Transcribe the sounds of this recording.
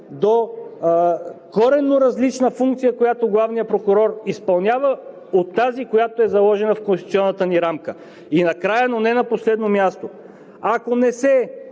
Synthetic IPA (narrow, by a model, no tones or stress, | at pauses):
d̪o | kɔɾɛnːoɾɐzlit͡ʃnəfuŋk̚t̪sijəkojat̪oɡlˠavnijəpɾokʊɾɔɾispɐlˠnʲjavə | ot̪ːazikojat̪oɛzɐlˠɔʒɛnəfkõnst̪t̪siɔnːət̪əniɾamkə | inɐkɾajənonɛnɐposlɛd̪nomʲjast̪o | akonɛsɛ